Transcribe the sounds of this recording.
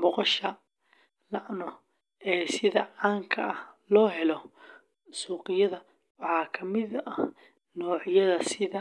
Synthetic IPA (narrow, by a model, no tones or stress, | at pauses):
mɔqɔʃɐ | lɑʕnɔ | ɛːsɪðɐʕaːŋkʰɐɐhlɔːɦɛlɔ | suːqɪjɐðɐ | wɑħɑːkʰɐmɪðɐ | nɔːʕɪjɐðɐsɪðɐ